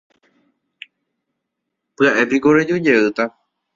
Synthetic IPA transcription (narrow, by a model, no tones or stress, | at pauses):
pɨaʔe̞piko̞ɾed͡ʒod͡ʒeɨt̪a